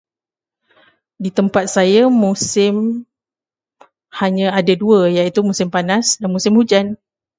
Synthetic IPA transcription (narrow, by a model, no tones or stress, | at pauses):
dit̪əmpat̪̚sajamusɪm | haɲə̃adaduəjait̪umusɪmpanasdanmusɪmhud͡ʒan